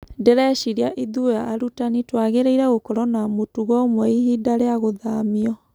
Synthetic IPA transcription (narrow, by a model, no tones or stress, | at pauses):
dɛɾɛʃiɾiaʔiðuaːɾutanitwaɣeɾeiɾɛɣokɔɾɔnamotuɣɔmwɛihidaɾeaɣoðamiɔ